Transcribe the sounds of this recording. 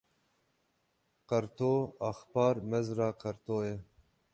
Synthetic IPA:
qɐɾt̪oːaxpɑːɾmezɾaːqɐɾt̪oːje

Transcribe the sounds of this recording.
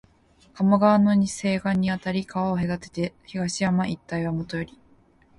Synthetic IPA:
kamaɡaːno̞ɲise̞ːɡãɲ̟ːiat̪aɾʲikaβaoɦe̞d̪at̪e̞̥t̪e̞çiɡaɕiamaʔit̪ːaiβamot̪o̞joɾʲi

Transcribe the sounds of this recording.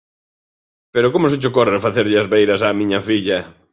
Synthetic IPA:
peɾʊkomʊset͡ʃʊkorefaθeɾʎɪazβejɾɐsaːmiɲɐfiʎɐ

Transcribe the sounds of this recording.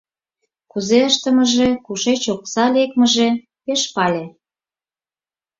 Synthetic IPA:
kuzeəʃt̪ə̆mə̆ʒekuʃet͡ɕok̚sɑlekmə̆ʒe | peʃpɑlʲe

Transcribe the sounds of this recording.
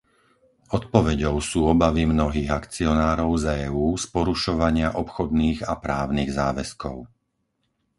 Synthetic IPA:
ɔt̪̚pɔʋɛɟɔʊsuːɔbaʋimnɔɦiːɣakt͡siɔnaːɾɔʊzɛːuːspɔɾuʃɔʋaɲɪaʔɔpxɔd̪̚niːɣapɾaːʊniːɣzaːʋɛskɔʊ

